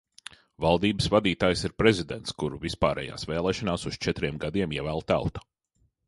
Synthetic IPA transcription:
valˠd̪iːbəsvad̪iːt̪aːjsiɾpɾɛzid̪ent̪skuɾuvispaːɾɛ̰ːja̰ːsvɛːlˠɛːʃanaːsust͡ʃɛt̪ɾiɛmɡad̪iɛmiɛvæːlˠt̪a̰lˠt̪ɐ̥

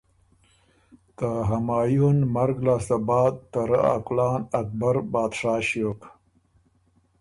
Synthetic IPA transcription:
t̪aɦamaːjunmaɾɡlaːsabɑːd̪̚t̪aɾa̰a̰klɑːnak̚baɾbɑːd̪ʂaːɕoːk

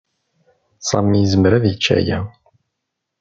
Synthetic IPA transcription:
sˤɑmːijəzəməɾæðjət͡ʃːæ̰jæ

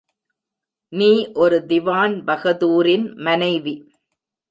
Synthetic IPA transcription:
niːʔɔɾɯd̪ɪʋaːnbɐɣɐðuːɾɪnmɐnɐɪʋi

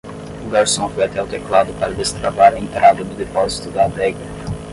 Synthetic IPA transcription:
ʊɡaɾsõw̃fojat̪ɛʊt̪eklad̪ʊpaɾɐd̪est̪ɾavaɾɐẽnt̪ɾʔad̪ɐd̪ʊd̪ifɔɾzi̥t̪ʊd̪ɐːd̪ɛɡɐ

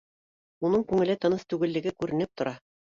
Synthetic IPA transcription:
unɤɴkʉŋɘ̆lɘt̪ɤ̆nɤst̪ʉɡɘ̆lːɘ̆ɡɘkʉɾɘ̆nɘp̚t̪ŏɾɑ

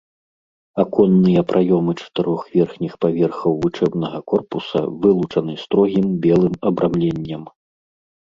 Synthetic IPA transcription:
akɔnːɨjɐpɾʔajɔmɨt͡ʂɐ̥t̪ɨɾɔxvʲɛrxnʲixpavʲɛrxɐwvut͡ʂɛbnɐɣɐkɔrpusɐ̰vɨlˠut͡ʂɐnɨst̪ɾɔɣʲimbʲɛlˠɨmɐbɾʔamlʲenʲːɐm

